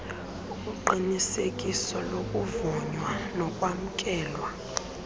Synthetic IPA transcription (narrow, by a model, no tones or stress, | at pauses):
uuǃinisekʼisɔlokʼuvɔɲwanɔkʼwam̩kʼɛːlwa